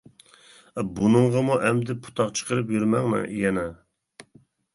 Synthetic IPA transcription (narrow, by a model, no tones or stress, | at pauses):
ɛbunɨɴʁɑmuʔɛmd̪ɪpʰu̥t̪ʰɑqt͡ʃʰə̥qəɾɨpjyɾmɛŋnɨ̰jɛnɛ